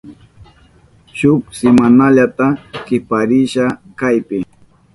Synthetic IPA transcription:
ʃʊksɪmanaʎat̪akɪpaɾɪʃakajpɪ

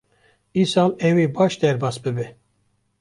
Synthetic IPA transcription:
isɑmɛwibɑːʃd̪ɛɾbɑːsbɨbɛ

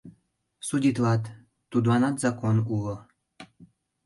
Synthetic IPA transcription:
sud̪ʲit̪lˠat̪ | t̪ːud̪wanat̪zakonulˠɤ

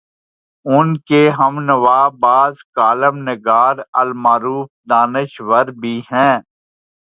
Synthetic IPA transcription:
ʊnkeɦɐmnəʋaːbaːzkaːləmnɪɡaːɾəlmaːɾuːfd̪aːnɪʃʋəɾbʱiːɦɛ̃ː

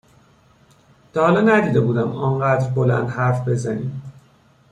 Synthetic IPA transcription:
d̪̥ɒːhlɒːnæd̪iːd̪ebuːd̪æmɒnɢæːd̪ɾbolæ̰nd̪hæɾfbe̞zæniːm

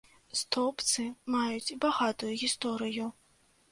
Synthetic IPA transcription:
st̪ɔpt̪sɨmajut͡sʲbaɣat̪ujuɣʲist̪ɔɾɨju

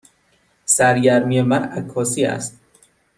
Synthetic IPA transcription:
sæɾɟæɾmijemæɾækʰːɒːsiːæ̰st̪̚

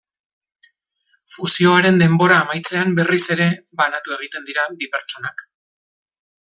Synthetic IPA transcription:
fusio̞aɾe̞nd̪e̞mbo̞ɾaːmajt͡se̞ambe̞rise̞ɾe̞βanat̪ue̞ɣ̞it̪e̞nd̪iɾabipe̞ɾt͡ʃo̞nak

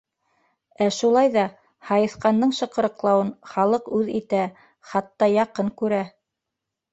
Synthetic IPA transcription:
æʃulˠɑjðɑ | hɑjɤ̆θqɑnd̪ɤɴʃɤ̆qɤ̆ɾɤ̆qlˠɑwɤnχɑlˠɤqʉðit̪æ | χɑt̪ːɑjɑqɤɴkʉɾæ

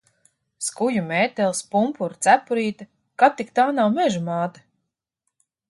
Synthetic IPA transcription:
skujumeːt̪ɛlˠspumpuɾt̪sæpuɾiːt̪a | kap̚t̪ikt̪aːnawmɛʒumaːt̪a

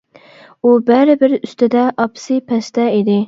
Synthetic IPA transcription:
ubæɾɪbɪɾyst̪ʰɪd̪ɛʔɑpsɨpʰɛst̪ɛid̪ɪ

